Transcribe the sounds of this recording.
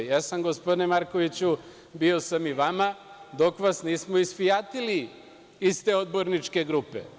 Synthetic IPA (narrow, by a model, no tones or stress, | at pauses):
jasamɡospod̪inemaɾko̞ʋit͡ɕu | bio̞samiʋama | d̪o̞kʋasniːsmoisfijat̪ili | ist̪e̞o̞d̪̚bo̞ɾnit͡ʃke̞ɡɾupe̞̰